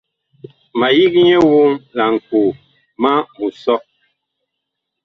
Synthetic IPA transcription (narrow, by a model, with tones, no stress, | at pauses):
ma˨ji˦k̚ɲɛ˦wo˦ŋla˨ŋ̩˨kuː˨ | ma˦mu˨sɔ˦ʔ